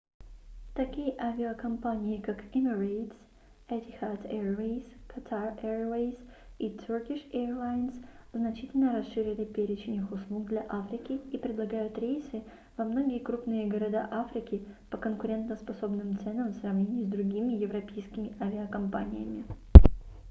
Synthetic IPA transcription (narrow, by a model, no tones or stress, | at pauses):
t̪ɐkʲijəʔavʲɪɐkɐmpanʲɪjɪkakɛmʲɪrejt̪s | ɛt̪ʲɪxat̪ɛɹvejskɐt̪ʰarɛɹvejs | it̪ʲʰurkʲiʂɛrlˠajnsznɐt͡ɕitʲɪlʲnəɾɐsʂɨɾʲɪlʲɪpʲeɾʲɪt͡ɕɪnʲɨxʊslˠuk̚d̪lʲɐʔafɾʲɪkʲɪipɾʲɪd̪lˠɐɡajʊt̪ɾʲejsɨ | vɐmno̞ɡʲɪjəkɾupnɨjəɡəɾɐd̪aʔafɾʲɪkʲɪ | pəkənkʊɾʲe̞nt̪nəspɐso̞bnɨmt̪sɛnəmfsrɐvnʲenʲɪjʊzd̪ɾʊɡʲimʲɪjɪvɾɐpʲejskʲɪmʲɪʔavʲɪɐkɐmpanʲɪ̰jə̰mʲɪ